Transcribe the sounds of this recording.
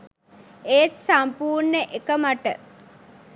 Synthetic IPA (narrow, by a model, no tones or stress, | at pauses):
eːt̪sampuːrneʔekəmaʈə̰